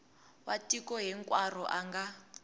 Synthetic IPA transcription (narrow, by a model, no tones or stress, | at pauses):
watikɔɦɛŋkʼwar̤ɔʔaŋɡa